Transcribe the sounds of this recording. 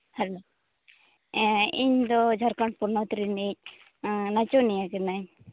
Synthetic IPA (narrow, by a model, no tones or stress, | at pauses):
hɛlo | iɲd̪ɔd͡ʒʱaɾkaɳʈ̚puɾnɔt̪ɾinic̚ | nat͡ʃonijakɛnaɲ